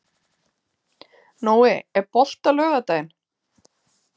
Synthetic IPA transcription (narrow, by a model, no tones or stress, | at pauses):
noːwɪɛɾpɔl̥t̪alœːɣat̪aːjɪn